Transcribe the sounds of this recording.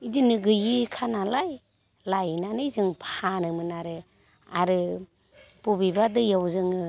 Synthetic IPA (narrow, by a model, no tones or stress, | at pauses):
idinɯɡɯjikʰanalaj | lajnanɯjzɯŋpʰanɯmɯnaɾɯ | aɾɯ | b̥ubibadɯjawzɯŋɯ